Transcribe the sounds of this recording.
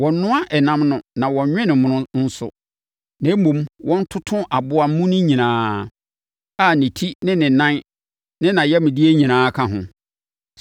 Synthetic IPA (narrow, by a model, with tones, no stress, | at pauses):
wɔ̃˨nʊ̃˦a˦ʔɛ˨nã˦mnʊ̃˨nã˨wɔ̃˨˦ɲᶣɛ̃˦nɪ̃˨mʊ̃˨nʊ̃˦n̩˦sʊ̰˨ | nã˨˦mõ˨mwʔɔ̃˦n̩˦tʰʊ˦tʰʊ̃˦ʔa˨bʊ˦a˨m̩˦mũ˦nʊ̃˦ɲĩ˨nãː˨˦ | a˦nɪ̃˨tʰi˦nɪ̃˦nɪ̃˨nã˦n | nɪ̃˦nã˨jɛ˦mɪ̃˨di˦e˦ɲĩ˨nãː˨˦kʰã˨ɦʊ̰̃˨